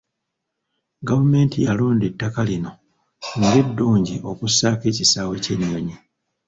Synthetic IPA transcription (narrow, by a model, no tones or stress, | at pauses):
ɡavume̞ːntijaloːnde̞tːakalino̞ | ŋɡe̞dːuːɲɟiʔo̞kusaːke̞ːcisaːwe̞ce̞ɲːo̞ɲi